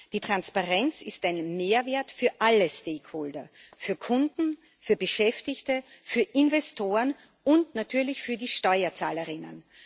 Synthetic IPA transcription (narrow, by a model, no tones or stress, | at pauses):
d̥iːtʁ̥anspaʁɛnt͡sɪstaɪnmeːɐvɛːɐtfyːɐʔaləsteːkʰhoːldɐfyːɐkʰʊndn̩ | fyːɐbəʃɛftɪçtəfyːɐʔɪnvɛstʰoːʁən | ʔʊntnatʰyːɐlɪçfyːɐdiːʃtɔʏɐt͡saːləʁɪnə̰n